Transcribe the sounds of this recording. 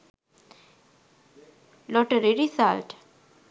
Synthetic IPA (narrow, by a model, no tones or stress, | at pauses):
lɔʈəɾiɾisalʈ